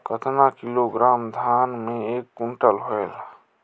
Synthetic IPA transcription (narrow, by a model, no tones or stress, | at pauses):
kət̪ʰnakiloɡɾaːmd̪ʱaːnmẽeːkːʊɳʈəlɦoela